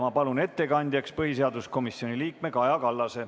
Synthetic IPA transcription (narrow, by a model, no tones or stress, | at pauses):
mɑpɑlune̞t̪ːe̞kɑnʲd̪̥ʲjɑkspɤɦis̬e̞ɑd̪usko̞misjo̞nʲiliːk̚me̞kɑjɑkɑlːɑse̞